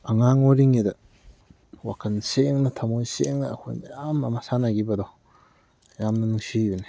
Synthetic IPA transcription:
aŋaŋoɾiŋidɐ | wakʰɐnseŋnɐtʰamojseŋna̰ːkʰo̰jnjamamasanaɡibadɔ | jamnɐnuŋsijuni

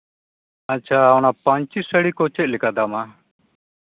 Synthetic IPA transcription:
at͡ʃʰaːɔnapãɲt͡ʃisəɽikɔt͡ʃɛt̪̚lɛkad̪ama

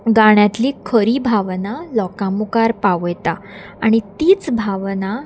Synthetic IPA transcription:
ɡaɽ̃jat̪liːkʰəɾiːbʱaʋnalɔkamukaɾpaʋjt̪a | aɽ̃it̪iːt͡sbʱaʋna

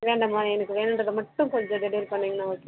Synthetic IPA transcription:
ʋeːɳɖɐmaːɛnɐkːɯʋeːnɯnrɐðɯmɐʈːɯmkɔld͡ʒɐɖɛɽɐjɐɾpɐɳːeːŋɡɐnaːoːkːe

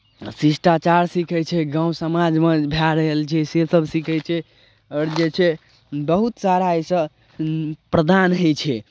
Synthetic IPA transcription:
sisʈat͡ʃaɾsikʰɛt͡ʃʰɛɡãw̃səmad͡ʒmebʱjaɾəɦəlt͡ʃʰɛsesəbʱsikɛt͡ʃʰɛ | əɾd͡ʒet͡ʃʰɛ | bəɦut̪saɾaesə | pɾəd̪anɦet͡ʃʰɛ

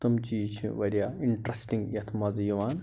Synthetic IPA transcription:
t̪ɐmt͡ʃiːt͡ʃʰṵʋɐɾijaiɳʈɾɐsʈiŋɡjɐt̪ʰmɐzjuʋaːn

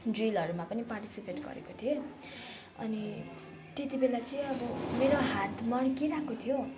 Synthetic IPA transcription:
drilʌɾumapʌniparʈi̥sipeʈɡʌ̰ɾḛkot̪ʰijo | ʌ̰ni | t̪et̪ibelat͡sʌĩʌbʌmeɾoɦat̪mʌɽkiɾakot̪ʰijo

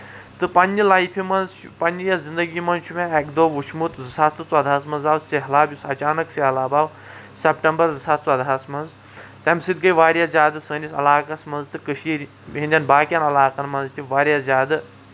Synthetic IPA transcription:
t̪ɨpɐnʲːɨlaːjpʰimɐnzpɐnʲijazind̪ɐɡiːmɐnt͡ʃʰumeɛkd̪oʋut͡ʃʰmut̪zɨsat̪t̪ɨt͡swɐd̪aːsmɐnzaːwseɦlaːbʲjusɐt͡ʃaːnɐkseɦlaːbaːw | sepʈɐmbɐɾzɨsʰat̪̚t͡swɐd̪ɦasmɐnz | t̪ɐmsɨt̪̚ɡəjʋaːɾjazʲaːd̪ɨsəːnʲisɐ̰laːkɐsmɐnzt̪ɨkəʃiɾʲ | ɦinʲd̪ʲɐnbaːkʲjanɐlaːkɐnmɐnzt̪ʰʲiʋaːɾʲjaszʲaːd̪ɨ

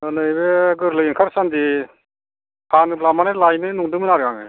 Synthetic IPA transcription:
ɯnɯjbeɡɯɾlɯjinkʰaɾsandi | pʰanɯplamanelajnɯnuŋdɯmɯnaɾɡaŋɯ̰

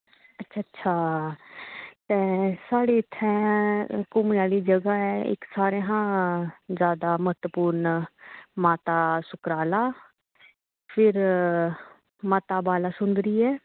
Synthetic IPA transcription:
ətːʃʰaətːʃʰaː | t̪ẽːsaːɽiːɪt̪ʰːɛ̃ːkʊmnaːliːd͡ʒəɡaːɛːɪ̰ksaːɾẽːɦãːzjaːd̪aːməɦət̪puːɾn | maːt̪aːsʊkɾaːlaː | pʰɪɾ | maːt̪aːbaːlaːsʊnd̪ɾiːɛː

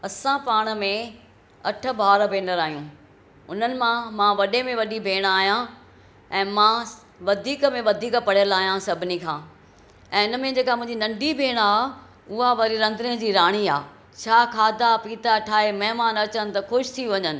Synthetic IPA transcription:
ɐsãpaːɽ̃ə̆mẽ | ɐʈʰə̆baːɾbʱeːnəɾaːijũː | ʊn̤ənɪ̆mãmãʋɐɗemẽʋɐɗibʱeːɽ̃aːɦjã | ɛ̃ːmã | ʋɐd̪ʱiːkmẽʋɐd̪ʱiːkpɐɽɪjəlaːɦjãsɐbʱɪnikʰãː | ɛ̃ːɪnə̆mẽd͡ʑeːkamʊ̃ɦɪ̃ɲd͡ʑinɐ̃ɳɖibʱeːɽ̃aː | ʊɦaʋɐɾiɾɐ̃nd̪ɾiə̃d͡ʑiːɾaːɽ̃iaː | t͡ɕʰaːkʰaːd̪apiːt̪aʈʰaːemɐɦmaːnɐt͡ɕənɪ̆t̪ɐkʊʃt̪ʰiʋɐɲənɪ̆

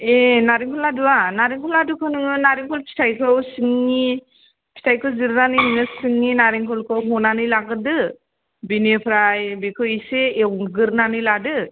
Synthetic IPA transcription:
enaɾiŋkʰɔladuwanaɾiŋkʰɔladɯkʰɯnɯŋɯnaɾiŋkʰɔlpʰi̥tʰajkʰɯwsɯŋːi | pʰi̥tʰajkʰɯwziɾnanɯjhɯnɯsɯŋːinaɾiŋkʰɔlkʰɯwɦɔnanɯjlaɡɯdɯ | binepʰɾajbikʰɯwiseːwɡɯɾnanɯjladɯ

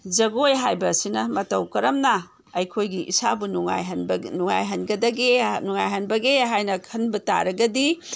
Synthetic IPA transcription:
d͡ʒɐɡojɦajbɐsinɐmɐtɐwkɐɾɐmnɐ | ɐjkʰojɡiʔḭsabunuŋa̰jɦnbnuŋajɦɐnɡɐdɐɡenuŋajɦɐnbɐɡeɦajnɐkʰɐnbɐta̰ɾɐɡɐdi

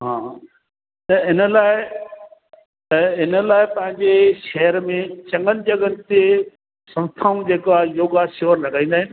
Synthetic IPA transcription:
ɦãː | t̪ɐɪnə̆laːɪ | ɐɦɪnəlaːɪpɐ̃ɦɪ̃ɲd͡ʑeʃɛɦəɾmẽt͡ɕɐ̃ŋɡənɪ̆d͡ʑɐɡənɪ̆t̪e | sɐ̃mst̪ʰaːũd͡ʑeːkajoːɡasoʋənɾɐɡʱãĩːnd̪aːɦɪnɪ̆

